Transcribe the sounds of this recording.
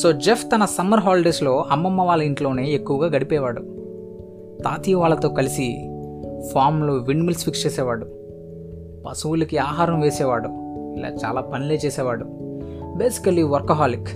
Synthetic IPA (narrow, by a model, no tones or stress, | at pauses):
so̞ːd͡ʒefʰt̪ɐnɐsɐmːɐɾɦaːlɖeslo̞ːɐmːɐmːɐʋaːlɐiɳʈlo̞ːne̞ːekːuʋɐɡaːɡɐɽipɛːʋaːɽu | t̪aːt̪iːʋaːɭːɐt̪o̞ːkɐlisi | pʰaːɾmlo̞ːʋiɳmilsfikst͡ʃeːsɛːʋaːɽu | pɐ̰suwulɐkiaːɦaːɾɐmʋeːsɛːʋaːɽuila̰ːt͡ʃa̰ːlaːpɐnile̞ːt͡ʃeːsɛːʋaːɽube̞ːsi̥kɐliʋɐɾkɐɦaːlik